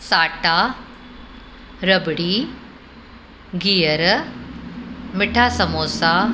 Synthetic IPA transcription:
saːʈaː | ɾɐbɽiː | ɡiːjəɾ | mɪʈʰaːsɐmoːsaː

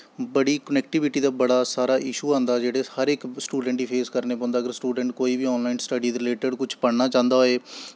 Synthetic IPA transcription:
bəɽiːkənɛːk̚ʈiːʋɪʈiːd̪aːbəɽaːsaːɾaːʔɪʃuːãːnd̪aːd͡ʒeːɽeːhəɾɪksʈuːɖə̃ɳʈiːpʰeːskəɾneːpɔ̃ːnd̪aːəɡəɾsʈuːɖəɳʈkoːiːbiːɔːnlaːinsʈəɖiːɾɪleːʈəɖkʊt͡ʃʰpəɽnaːt͡ʃãːnd̪aːɦoːeː

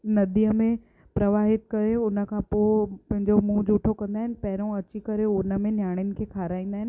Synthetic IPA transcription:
nɐd̪iəmẽ | pɾɐʋaːɦɪt̪̚kɐɾeʊnə̆kʰãpoːpɐ̃ɦɪ̃ɲd͡ʑomũːd͡ʑuʈʰokɐ̃nd̪aːɦɪnɪ̆pɐɦɪɾõɐt͡ɕikɐɾeʊnə̆mẽnjaːɽ̃jʊnɪ̆kʰeːkʰaːɾaːĩːn̆d̪aːɦɪnɪ

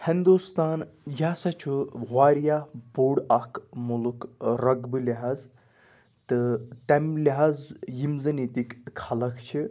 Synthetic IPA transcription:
hind̪ust̪aːnjaːsɐt͡ʃʰuɣʷaːɾijaːboːɽɐkmulukɾɐɡbɨlʲɐɦaːz | t̪ɨt̪ɛmlʲɐɦaːzjimzɐniːt̪ikʰɐlɐkʰt͡ʃʰi

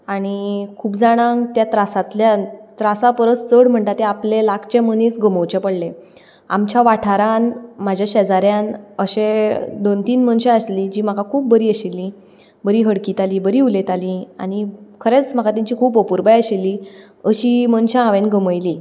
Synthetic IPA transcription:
aɽ̃ikʰuːpd͡zaɽ̃ãŋɡt̪jat̪ɾasat̪ljat̪ɾasapəɾət͡st͡səɽm̤əɳt̪at̪eaplelakʰt͡ɕemənisɡəməwt͡ɕepəɽle | a̰mt͡ɕjaʋaʈʰaɾanmad͡ʑʱjaɕɛd͡zaɾjanəɕẽd̪ont̪iːnmənɕãəslid͡ʑiːm̤akakʰuːp̚bəɾiːəɕilːi | bəɾiːɦəɽkit̪aliːbəɾiːulet̪alia̰ɽ̃ikʰəɾet͡sm̤akat̪iɲt͡ɕikʰuːpopuɾbajəɕilːi | əɕimənɕããʋẽnɡəməjli

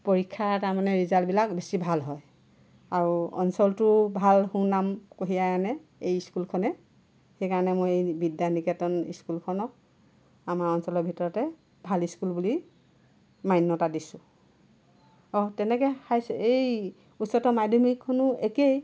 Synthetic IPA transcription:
poɹikʰːataɹmanɛɹizaltbilakbesibʱalɦɔj | aɹuɔ̰nsɔltʊbʱalhũnamkoɦijajanɛejskulkʰɔnɛ | xejkaɹɔnɛmojejbidːaniketɔnḭskulkʰɔnɔ | amaɹɔnsɔlɔɹbʱitɔɹɔtɛ | bʱaliskulbuli | majnːɔtadisʊ̃ | ɔtɛnɛkɛxajsej | utsɔtɔmadʱomikʰːɔnʊekej

